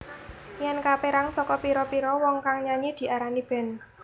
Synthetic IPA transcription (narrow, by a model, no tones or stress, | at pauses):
jɛnkapeɾaŋsɔkɔpiɾɔpiɾɔwɔŋkaŋɲaɲid̪̥i̤ʔaɾanib̥ɛ̤n